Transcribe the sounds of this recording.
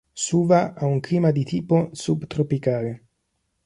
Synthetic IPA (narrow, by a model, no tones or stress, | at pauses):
suːvaʔauŋkliːmad̪it̪iːposubt̪ɾopikaːle